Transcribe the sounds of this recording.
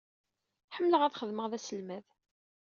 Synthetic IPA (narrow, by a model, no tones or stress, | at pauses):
ħəmːləʁæðχəðməʁðæsəlmæð